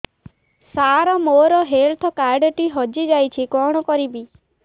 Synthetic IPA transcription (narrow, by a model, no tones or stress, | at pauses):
saɾɔmoɾɔɦeɾt̪ʰɔkaɾɖʈiɦɔd͡ʒid͡ʒajt͡ʃʰikɔɽ̃ɔkɔɾibi